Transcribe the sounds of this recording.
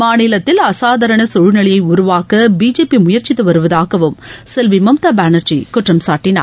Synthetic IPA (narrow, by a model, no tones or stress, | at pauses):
maːnɪlɐt̪ːɪlɐsaːðɐɾɐɳɐsɔɻnɐɭɪjɐɪʊɾʊʋaːkɐbiːd͡ʒeːpimʊjɐɾt͡ʃɪt̪ːɯʋɐɾɯʋɐðaːɣɐʋɯmsɛlʋimɐmt̪aːbaːnɐɾt͡ʃḭkʊʈrɐmsaːʈːɪna̰ɾ